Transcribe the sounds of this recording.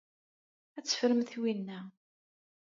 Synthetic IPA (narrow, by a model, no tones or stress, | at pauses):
æt͡sːə̥fɾəmθwinːæ